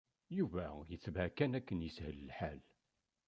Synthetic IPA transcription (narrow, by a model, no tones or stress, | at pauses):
juvæjət͡sːvækːænækːənjəshəllħal